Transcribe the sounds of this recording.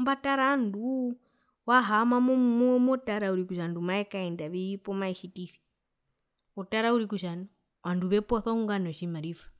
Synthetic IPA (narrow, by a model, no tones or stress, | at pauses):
mbataɾandu | waɦamamɔmmɔmɔtaɾauɾikuʃandumaɛkaɛndaʋiipɔmaiʃitiθi̥ | ɔtaɾauɾikuʃanɔ | wanduʋɛpɔθɔuŋɡanɔʃimaɾifḁ